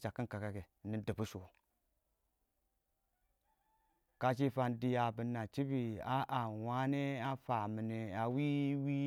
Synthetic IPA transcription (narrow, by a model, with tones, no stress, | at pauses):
t͡ʃa˨kːi˦nka˨ka˨ke˨ni˦dɨ˨bu˦ʃo˨ | ka˦t͡ʃ̬i˦fa˧ndi˨ja˨bɨ˨nːa˨t͡ʃi˦bi˨a˦ʔa˨wa˦ne˦a˦fa˨mi˨ne˨a˨wi˦wi˦